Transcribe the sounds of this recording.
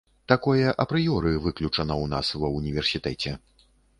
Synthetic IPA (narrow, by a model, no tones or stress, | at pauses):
t̪akɔjɐʔɐpɾɨjɔɾɨvɨklʲut͡ʂɐnɐwnasvɐunʲivʲɛrsʲit̪ɛt͡sʲɛ